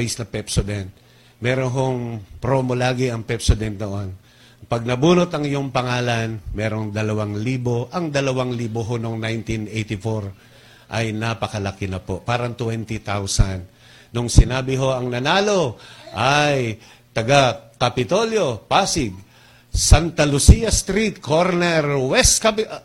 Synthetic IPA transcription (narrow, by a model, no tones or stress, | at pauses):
ɛjsnɐpɛpsod̪ɛnt̪ | mɛɾonɦoŋpɾoːmolaːɡɪʔɐŋpɛpsod̪ɛnt̪̚noʔon | pɐɡ̚nɐbuːnot̪ɐŋɪjoŋpɐŋaːlɐnmɛːɾo̞ŋd̪ɐlɐwaŋliːboʔɐŋd̪ɐlɐwaŋliːboɦonoŋnajnt̪inʔejt̪ɪfoɾ | ʔɐjnapɐkɐlɐkɪnɐpo̞paːɾɐŋt̪wɛnt̪ɪt̪awsanː | oŋsɪnaːbɪɦo̞ʔɐŋnɐnaːlo̞ʔaj | t̪ɐɡakɐpɪt̪o̞ljo̞paːsɪɡ̚ | sant̪ɐlʊsijɐst̪ɾit̪̚kʰoɾnɛɾwɛst̪̚kɐp